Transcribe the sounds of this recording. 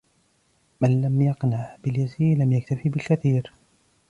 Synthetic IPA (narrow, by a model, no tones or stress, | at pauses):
manlamjɑqnaʕbɪljaziːɾlamjakt̪afiːbɪlkaθiːɾ